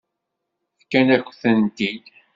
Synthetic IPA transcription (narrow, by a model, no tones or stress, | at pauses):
θkːænækʷːθənt̪id̪